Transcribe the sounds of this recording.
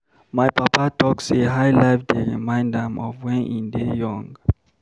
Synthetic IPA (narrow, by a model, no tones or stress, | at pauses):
majpapatʰɔkseɦajlaɪfdeɹḭmãɪ̃ndãmɔvwɛ̃nʔḭ̃ndejɔ̃ŋɡ